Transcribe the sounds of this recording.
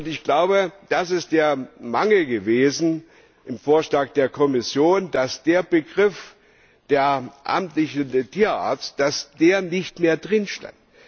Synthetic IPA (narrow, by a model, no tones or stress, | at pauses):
ʔʊntɪçɡ̥laʊbəd̥asɪst̚d̥eːɐmaŋl̩əɡəveːzn̩ | ʔɪmfoːɐʃlaːk̚d̥eːɐkʰɔmɪsjoːndasd̥eːɐbəɡʁɪf | d̥eːɐʔa̰mtlɪçndtʰiːɐʔa̰ɐt͡st̚d̥asd̥eːɐnɪçtmeːɐdʁɪnʃta̰nt